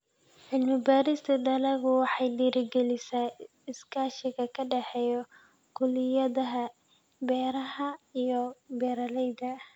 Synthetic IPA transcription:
ʕɪlmɪbaːɾɪst̪ʰɐd̪ɐlɐɣʊwɑħɑjd̪iːɾɪɡɛlɪsa | ɪskʰaːʃɪɣɐkʰɐɖɛħɛːjɔ | kʰʊlɪjɐðɐɦɐ | bɛːɾɐɦɐijɔbɛːɾɐlɛjd̪ɐ

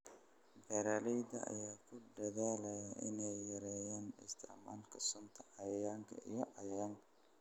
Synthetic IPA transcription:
bɛɾaːlɛjd̪ɐɐ̰jaːkʰʊd̪ɐðaːlɐjɐʔɪ̰nɛjːɐɾɛːjaːnɪ̰st̪ʰɛʕma̰ːlkʰɐsʊnt̪ʰɐʕɑjjaːŋkʰɐʔḭjɔʕɑjɐjaːŋkʰɐ̥

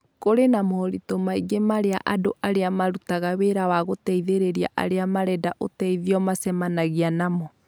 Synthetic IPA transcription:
koɾenamɔɾitomaiɡemaɾea̰ʔadoʔaɾeamaɾutaɣaweɾawaɣotɛiðeɾeɾia̰ʔa̰ɾeamaɾɛdaʔo̰tɛiðiɔmasɛmanaɣianamɔ

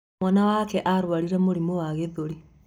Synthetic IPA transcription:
anawakɛʔaɾwaɾiɾamoɾimɔwaɣeðoɾi

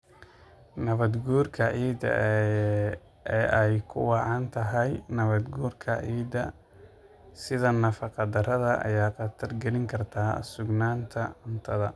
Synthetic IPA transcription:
nɐβɐd̪ɡuːrkʰɐʕiːd̪ɐ̰ | ɛʔɛjkʰʊ̰wɑʕɑnt̪ʰɐɦɐjnɐβɐd̪ɡuːrkʰɐʕiːd̪ɐ | sɪðɐnɐfɑqɑd̪ɐɾɐðɐʔɐ̰jaːqɑt̪ʰɐrɡɛlɪŋkʰɐrt̪ʰaːsʊɡnaːnt̪ʰɐʊnt̪ʰɐðɐ

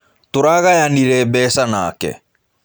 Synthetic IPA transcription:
toɾaɣajaniɾɛbɛːsana̰ːkɛ̰

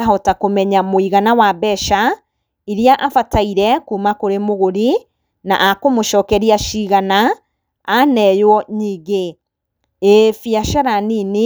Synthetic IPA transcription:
aɦɔtakomɛɲamoiɣanawabɛʃa | iɾiaʔafataiɾɛkuːmakoɾemoɣoɾi | na̰ʔakomoʃɔːkɛɾiaʃiɣanaː | nɛjwɔɲiːɡe | efiaʃaɾanini

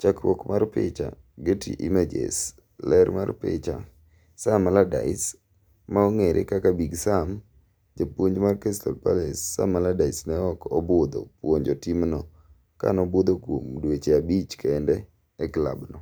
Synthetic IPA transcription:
t͡ʃakwɔkmarpɪ̰t͡ʃa̰ | ɡetḭʔimed͡ʒḛs | lɛɾma̰rpɪ̰t͡ʃa̰ | samalada̰ɪs | maɔŋeɾʔɪ̰kakabiɡsam | d͡ʒapwoɲd͡ʒmarkestɔ̰lpalesːa̰maladaɪsnɛɔkɔbʊd̪o̰pwoɲd͡ʒɔtimnɔ | ka̰nɔbod̪okwomdwet͡ʃeabit͡ʃkɛndɛː | kla̰bnɔ

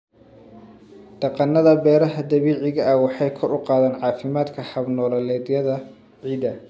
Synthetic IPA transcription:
d̪̥ɑqɑnːɐðɐbɛːɾɐɦɐd̪ɐβiːʕɪɣɐʔɐwɑħɑjkʰɔɾʊqɑːðaːnʕɑːfɪmaːd̪kʰɐhɐbnɔːlɐlɛːd̪jɐðɐ | ʕiːd̪ɐ

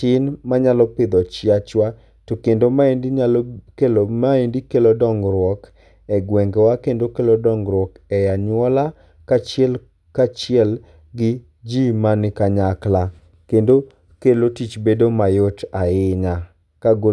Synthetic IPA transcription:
ɪnmaɲalɔpɪd̪ɔt͡ʃɪat͡ʃwa | tokendomaendakelmaendikelodɔŋɡɾwɔk | ɛɡwɛŋɡɛwakendokelodɔŋɡɾwɔkɛjaɲwɔla | kat͡ʃɪɛl | kat͡ʃɪɛl | ɡɪ | d͡ʒimanɪkaɲakla | kendo | kelotit͡ʃbedomajotaɪɲa | kaɡo

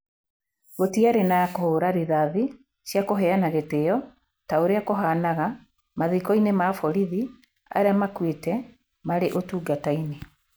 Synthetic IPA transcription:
ɣotiaɾenaakohoɾaɾiðaði | ɕjakoɦɛanaɣetejɔ | taoɾeakoɦanaɣa | maðikɔinemafɔɾiði | a̰ɾeamakwetɛ | maɾeʔotuːɡataine

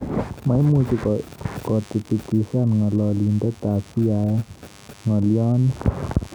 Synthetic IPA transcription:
maimut͡ʃukɔkɔt̪it̪it̪isanŋalɔlind̪ɛt̪at͡ʃia | ŋɔliɔn

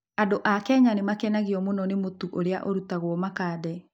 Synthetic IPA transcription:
andoʔakɛɲanemakɛnaɣiɔmonɔnemotuʔoɾeaʔoɾutaɣwɔmakaːðɛ

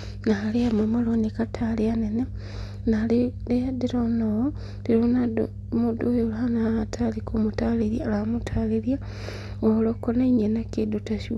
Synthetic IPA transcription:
naːleamamalonikatʰaleanene | nalileadiɾono | d̥iɾona | mudojelɦanaːtʰalikomutaleɾjalamutʰaːleɾja | olokonaiɲenakedutasi

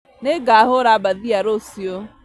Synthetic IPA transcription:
neɡaaɦʊɾabaðiaɾosio

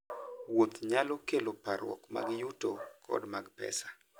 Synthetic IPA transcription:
wot̪ɲalokelopaɾwɔ̰kma̰ɡjutokʰɔ̰dmaɡpɛ̰sḁ

